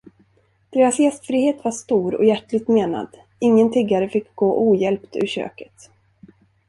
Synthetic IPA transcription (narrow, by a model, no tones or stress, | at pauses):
d̪̥eːɾasjɛst̪fɾiːheːt̪vaʂt̪uːɾɔ̰jæʈɭɪɡ̚t̪meːna̰d̪̥ | ɪŋːənt̪ʰɪɡːaɾəfɪkːɡoːʔuːjɛlpt̪ɵ̰ɾɕø̰ːkə̥t̪